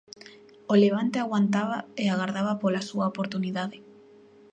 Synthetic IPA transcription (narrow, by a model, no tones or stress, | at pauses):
oleβ̞ant̪eaɣwant̪aβaeaɣaɾðaβapolasuaopoɾt̪uniðaðe